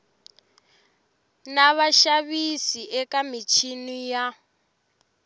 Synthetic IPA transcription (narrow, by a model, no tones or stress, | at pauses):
naβaʃaβisiʔɛkamit͡ʃʰinija